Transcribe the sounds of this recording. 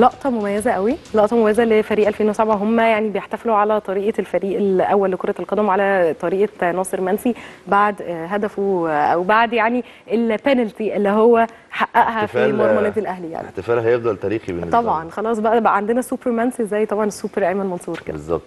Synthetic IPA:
lɑʔt̪ˤɑmomæjːæzæʔæwilɑʔt̪ˤɑmomæjæzælefæɾiːʔælfeːnwesabʕaɦomːæjaʕnibejeħt̪æfeluʕalæt̪ˤɑɾiːʔɑlfæɾiːʔelʔæwːælːekoɾˤɑelqɑd̪æmwʕalæt̪ˤɑɾiːʔɑnɑːsˤeɾmænsibaʕd̪ɦæd̪æfuʔæ̰wbaʕd̪jaʕni | ʔelpænælt̪iʔelːiɦowːæ | ħaʔːæʔɦæfimɑɾˤmænæːd̪ilʔæhlija̰ʕnit̪efæːlɦæjebd̪ælt̪æːɾiːxibennːt̪ːˤɑbʕɑnxɑlɑːsˤbæʔæʕand̪enæsuːpeɾmænsiʔezːæjt̪ˤɑbʕɑnesːuːpeɾʔæjmænmɑnsˤuːɾkedbezˤːɑ̰b̚t̪

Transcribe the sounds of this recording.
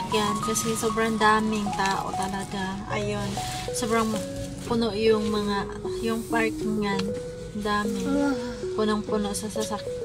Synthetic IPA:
kjankɐsɛsoːbɾɐŋd̪aːmɪŋt̪aːʔo̰t̪ɐlɐɡaʔa̰jo̞n | soːbɾɐŋ | pʊnoʔjʊŋmɐŋaʔjʊŋpaɹkŋan | nd̪aːmɪ | pʊnoŋpʊnoʔsɐsɐsɐk

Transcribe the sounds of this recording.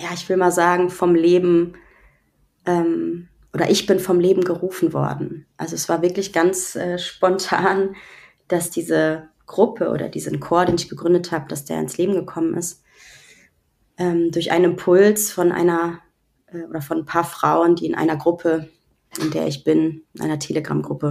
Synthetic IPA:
jaːɪçv̥ɪlmaːlzaːɡŋ̩fɔmleːbm̩ | ʔɛːm | ʔoːɾɐ̰ʔɪçb̥ɪnfɔmleːbm̩ɡəʁuːfn̩vɔ̰ɐdn̩ʔa̰lzoɛsv̥aːɐvɪɐklɪçɡ̥ant͡sʔɛːʃpɔntʰaːn | d̥asd̥iːzə | ɡ̥ʁʊpʰəʔo̰ːdɐ̰dḭːzənkʰoːɐɾeːnɪçɡ̥əɡʁʏndəthaːbəd̥asd̥eːɐɪ̰nsleːbm̩ɡəkʰɔmənʔɪ̰st | ʔɛːmdʊɐçʔa̰ɪnɪmpʰʊlsfɔnʔa̰ɪnɐ | ʔɛːʔoːdɐfɔnpʰaːɐfʁ̥aʊəndiːɪnʔa̰ɪnɐɡʁʊpʰə | ʔɪndḛːɐɪçb̥ɪnɪnʔa̰ɪnɐtʰeːləɡʁa̰mɡʁʊpə

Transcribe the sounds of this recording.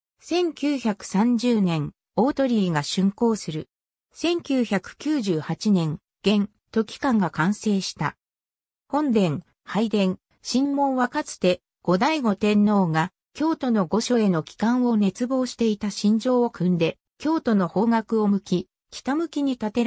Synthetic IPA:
sẽ̞ŋkʲɨːçakɯ̟̥sãɲ̟d͡ʑɨːnẽ̞ŋ | o̞ːt̪o̞ɾʲiːɡaɕɨ̃ŋko̞ːsɨɾɯ̟ | sẽ̞ŋkʲɨːçakɯ̟̥kʲɨːʑɨːhat͡ɕinẽ̞ŋ | ɡ̥ẽ̞n | t̪o̞kʲi̥kãŋɡakãɰ̃se̞ːɕi̥t̪a̰ | hõ̞nd̪ẽ̞ŋ | haid̪ẽ̞ŋ | ɕĩmːõ̞ɰβakat͡sɨ̥t̪e̞ | ɡ̥o̞d̪aiɡo̞t̪ẽ̞nːo̞ːŋa | kʲo̞ːt̪o̞no̞ɡo̞ɕo̞e̞no̞kʲi̥kãɰ̃o̞ne̞t͡sɨbo̞ːɕi̥t̪e̞it̪aɕĩɲ̟d͡ʑo̞ːokɯ̟̃nd̪e̞ | kʲo̞ːt̪o̞no̞ho̞ːŋakɯ̟o̞mɯ̟kʲi | kʲi̥t̪amɯ̟kʲiɲ̟it̪at̪e̞ɾ

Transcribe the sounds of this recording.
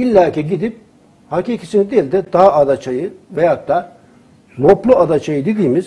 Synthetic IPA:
ilʲːaːcʰiɟid̪ip̚ | hacicʰisinid̪elʲd̪ɛd̪aad̪at͡ʃʰajɯvɛjad̪a | loplˠuad̪at͡ʃʰajɯd̪ed̪iːmiz

